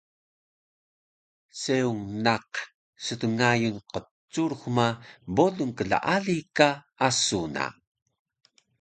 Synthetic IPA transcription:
seuŋnaq | sətəŋajunqə | t͡sːuɾxmaboɮuŋkəɮa̰ʔaɮika | asuna̰

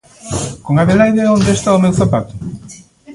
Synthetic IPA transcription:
koŋaβelajðeond̪est̪aomewθapat̪ʊ̥

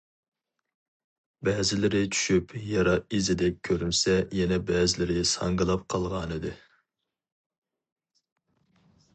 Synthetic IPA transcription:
bɛːzɪlɪɾɪt͡ʃʰy̥ʃypjɑɾɑizɪd̪ɛk̚ʲkʲʰøɾymsɛjɛnɛbɛːzɪlɪɾɪsɑŋɡɨlˠɑp̚qʰɑlˠʁɑnɨd̪ɨ

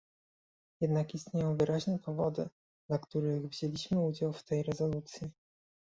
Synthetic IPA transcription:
jɛd̪nakist̪ɲejɔ̃w̃vɘɾaʑnɛpɔvɔd̪ɘ̰ | d̪̥lakt̪uɾɘɣvʑelʲiɕmɘud͡ʑawft̪ɛjɾɛzɔlut̪sʲji

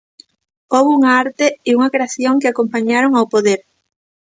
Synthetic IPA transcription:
oβuŋaaɾt̪eiuŋɐkɾeaθjoŋkeakompaɲaɾoŋawpoðeɾ

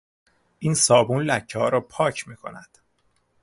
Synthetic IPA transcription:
ʔiːnsɒːbunlæcʰːehɒːɾɒːpʰɒːcʰmiːkʰo̞̰næd̪̥

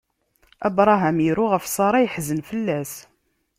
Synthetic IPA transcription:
æbɾˤɑɦæmiɾuʁəfsˤɑɾˤɑjəħzənfəlːæs

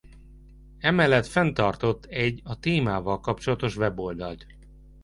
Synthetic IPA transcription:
ɛmɛlːɛt̪fɛnt̪ɒrt̪o̞t̪ːɛɟːɒt̪eːmaːvɒlkɒp̚t͡ʃo̞lɒt̪o̞ʃʋɛbo̞ld̪ɒlt̪

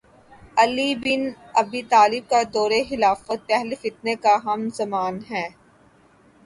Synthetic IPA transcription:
ɐlibɪn | ɐbit̪aːlɪb̚kad̪ɔːɾexɪlaːfət̪̚pɛɦlefɪt̪̚nekaɦɐmzɐmaːnɦɛː

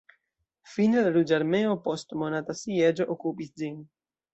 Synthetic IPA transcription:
finelaɾud͡ʒaɾme̞opo̞stmonatasied͡ʒoʔokupisd͡ʒin

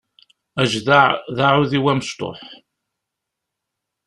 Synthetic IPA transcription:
æʒðaʕðaʕʊðiwæməst̪o̰ħ

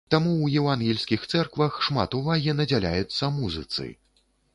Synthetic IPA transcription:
t̪amuwjɛvanɣʲilʲsʲkʲixt̪sɛrkvɐxʂma̰t̪uvaɣʲinɐd͡zʲalʲa̰jut̪sːɐmuzɨt̪sɨ̰

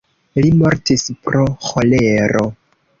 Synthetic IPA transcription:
limo̞ɾtispɾoxoleɾo̞

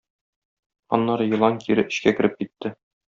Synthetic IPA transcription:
ɒ̰nːɑɾɤjɤ̆lˠɑŋkiɾɘʔɘ̆ɕkækɘ̆ɾɘp̚kit̪ːɘ

